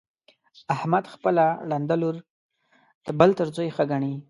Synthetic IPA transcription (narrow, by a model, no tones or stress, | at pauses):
ahmad̪xpəlaɽand̪aluɾ | d̪̥əbəlt̪əɾzojxaɡaɳi